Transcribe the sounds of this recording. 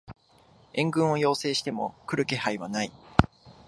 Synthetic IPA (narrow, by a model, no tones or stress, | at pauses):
ẽ̞ŋɡɯ̟̃ɰ̃o̞jo̞ːse̞ːɕi̥t̪e̞mo̞̰kɯ̟ɾɯ̟ke̞haiβanai